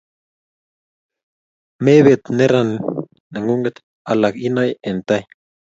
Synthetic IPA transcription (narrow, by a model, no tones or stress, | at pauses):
meβet̪neɾan | naŋuŋɡet̪ | alakinajent̪aj